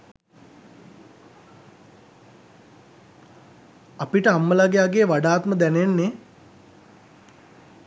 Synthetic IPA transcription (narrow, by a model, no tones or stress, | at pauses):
apiʈəamːəlaɡejaɡeːʋaɖaːt̪məd̪ænenːe